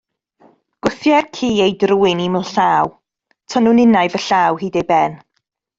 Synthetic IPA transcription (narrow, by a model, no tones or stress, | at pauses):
ɡ̥ʊθjɛrkʰiːejdruːɪnimɪlˠɬaːw | tʰənunɪnajvəɬaːwɦiːdejbɛn